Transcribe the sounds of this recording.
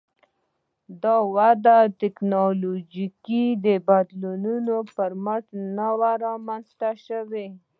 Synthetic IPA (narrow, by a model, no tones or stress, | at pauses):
d̪ɑwad̪at̪ɪknɑlod͡ʒikid̪əbad̪lununopəɾmaʈnawaɾɑmanzt̪aʃəwe